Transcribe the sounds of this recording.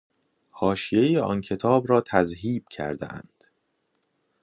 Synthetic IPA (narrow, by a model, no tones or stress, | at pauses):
hɒːʃije̞jeɒ̰ncʰe̞t̪ʰɒːbɾɒːt̪ʰæzɦiːb̥̚cʰæ̰ɾd̪ḛʔæ̰nd̪̥